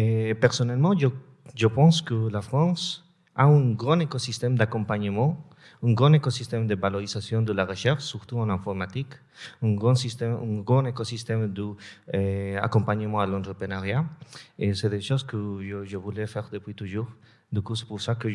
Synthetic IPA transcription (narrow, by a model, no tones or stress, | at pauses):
epɛʁsɔnɛlmɑ̃ʒə | ʒəpɑ̃skəlafχɑ̃s | a̰ɛ̃ɡʁɑ̃nekɔsist̪ɛmd̪akɔ̃mpaɲəmɑ̃ | ɛ̃ɡʁɑ̃nekɔsist̪ɛmd̪əvalɔʁizasjɔ̃d̪əlaʁəʃɛʁʃsyʁt̪uɑ̃lɛ̃fɔʁmat̪ik | ɛ̃ɡʁɑ̃sist̪ɛmɛ̃ɡʁɑ̃nekosist̪ɛmd̪ə | a̰kɔ̃mpaɲəmɑ̃alɔ̃nt̪ʁəpenaʁjaesɛd̪eʃozkəʒəʒəvulɛfɛʁd̪əpwit̪uʒuʁ | d̪ykusɛ̥puʁsakə